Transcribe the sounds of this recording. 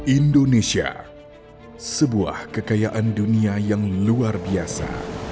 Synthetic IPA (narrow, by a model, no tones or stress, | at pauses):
indonesia̰ | səbua̰hkəkajaʔanduniajaŋluarbiasa̰